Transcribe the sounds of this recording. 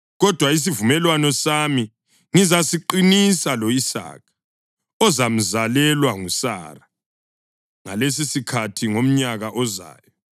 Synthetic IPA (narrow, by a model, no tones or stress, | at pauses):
ɣɔd̥ʱwais̬ivumɛlwanɔsami | ŋizasiǃinisalɔisa̰ːkʰḁ | ɔzam̩zalɛlwaŋusa̰ra | ŋa̰les̬isikʰatʰiŋom̩ɲaɣaʔɔza̰ːjɔ